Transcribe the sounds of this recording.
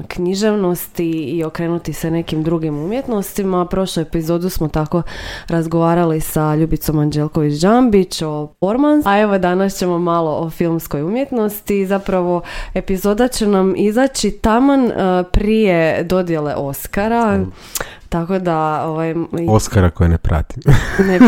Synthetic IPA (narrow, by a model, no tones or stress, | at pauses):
kɲiʒe̞ʋno̞st̪iːo̞kɾe̞ːnut̪isene̞kimd̪ɾuɡimumje̞t̪no̞st̪imapɾo̞ʃlujepizo̞ːd̪usmo̞t̪ako̞ɾazɡoʋaːɾalisaʎuːbit̪so̞mand͡ʒelkoʋit͡ɕd͡ʒambit͡ɕofo̞ɾmanaeʋo̞d̪anast͡ɕe̞mo̞malˠo̞ʔofilˠmsko̞jumje̞t̪no̞st̪izapɾaʋo̞e̞pizo̞ːd̪at͡ɕe̞namizaːt͡ɕit̪amanpɾije̞d̪o̞d̪je̞le̞̰ʔo̞skaɾa | t̪ako̞d̪aoʋajoskaɾakojenepɾa̰t̪imne